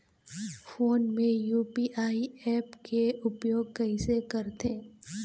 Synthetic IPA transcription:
foːnmẽjuːpiʔaːiɛːpkeʊpjoːɡ̚kɐɪsekɐɾt̪ẽː

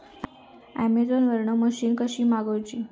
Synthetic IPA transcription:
æ̰med͡zonʋəɾɳəməɕiːnkəɕiːmaɡəwt͡ɕiː

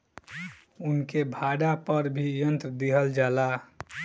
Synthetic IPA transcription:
unkebʱaɖapəɾbʱijənt̪ɾəd̪iɦəld͡ʒaːla

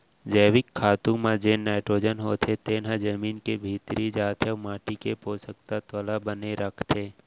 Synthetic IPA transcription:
d͡ʒɛːwɪkʰːaːt̪ũmãd͡ʒeːnnːaːɪʈɾoːd͡ʒənɦoːt̪ʰet̪eːnɦãd͡ʒəmiːnkebʱiːt̪ɾid͡ʒaːt̪ʰemaːʈikepoːsək̚t̪at̪ɔlabəneɾəkʰt̪ʰeː

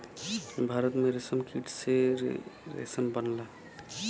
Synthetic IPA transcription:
bʱaːɾət̪mẽɾesəmkiʈse | ɾḛsəmbənla

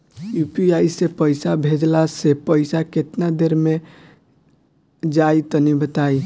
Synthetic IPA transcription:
jupiaisepəɪsabʱed͡ʒlasepəɪsaket̪nad̪eɾme | d͡ʒajt̪ɔnibət̪ai

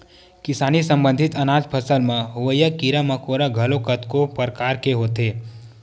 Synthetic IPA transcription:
kɪsaːnisə̃mbə̃nd̪ʱɪt̪ɐnaːd͡ʒpʰəsəlmẽɦʊʋəjəkiɾəməkoːɾaɡʱəlokət̪kopəɾkaːɾkeɦoːt̪eː

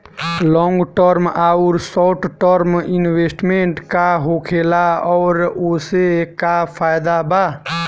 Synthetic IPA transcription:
lɔ̃ŋɡʈəɾmauɾsɔʈʰʈəɾminwesʈmeɳʈkaɦokʰelaɔːɾosekapʰajd̪aba

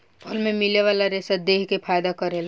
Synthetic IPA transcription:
pʰəlmemileʋalaɾesəd̪eɦkepʰajd̪akəɾel

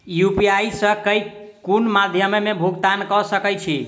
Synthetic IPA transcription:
jupijaisə̃kəj | kunmad̪ʱjəmemebʱuɡt̪ankɔsəkəjt͡ʃʰi

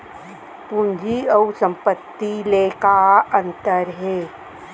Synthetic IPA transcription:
pũnd͡ʒʱiəusə̃mpət̪ːilekaə̃nt̪əɾɦeː

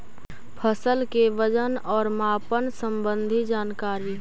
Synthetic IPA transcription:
pʰəsəlkeʋəd͡ʒənɔːɾmaːpənsə̃mbə̃nd̪ʱid͡ʒaːnkaːɾiː

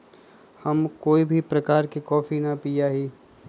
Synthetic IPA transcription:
hɐmkoːibʱipɾɐkaːɾkikɔːfinɐpijaɦiː

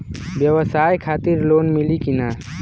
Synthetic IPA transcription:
bjəwəsaːjkʰaːt̪iɾloːnmilikina

